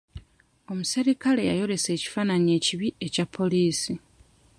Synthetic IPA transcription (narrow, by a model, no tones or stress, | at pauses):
o̞museɾikale̞ja̰jo̞ɾe̞se̞ːci̥faːnaɲie̞ːciβie̞capʰːo̞liːsi